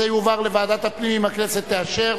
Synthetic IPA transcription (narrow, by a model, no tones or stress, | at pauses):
ejuvaʁle̞vaːd̪at̪hapnimimhaknese̞t̪ːeaʃe̞